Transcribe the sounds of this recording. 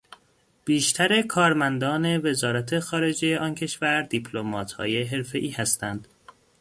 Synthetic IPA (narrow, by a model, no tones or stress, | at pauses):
b̥iːʃt̪ʰæɾe̞kʰɒːɾmænd̪ɒːne̞ve̞zɒːɾæt̪ʰe̞xɒːɾe̞d͡ʒe̞je̞ʔɒːncʰe̞ʃvæɾd̪ipʰlomɒːt̪hɒ̰ːje̞ɦe̞ɾfe̞ʔiːhæst̪ænd̪̥